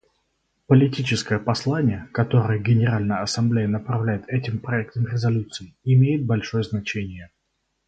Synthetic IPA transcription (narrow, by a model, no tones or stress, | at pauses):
pəlʲɪtʲit͡ɕɪskəjəpɐslˠanʲɪjəkɐt̪o̞ɾəjəɡʲɪnʲɪɾalʲnəjəɐsɐmblʲejənəpɾɐvlʲæjɪt̪ɛtʲɪmpɾɐɛk̚t̪əmɾʲɪzɐlʲut̪sɨɪɪmʲejɪt̪̚bɐlʲʂo̞jəznɐt͡ɕenʲɪjə